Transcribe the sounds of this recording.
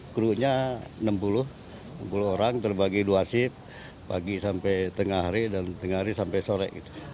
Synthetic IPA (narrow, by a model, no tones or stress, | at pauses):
kɾuʔɲanəmpulʊh | nəmpuluɦoɾaŋt̪ərbaɡiduasɪpː | aɡisampɛjt̪əŋahaɾidant̪əŋaɦaɾisampɛjsoɾɛ̰ʔḭt̪u̥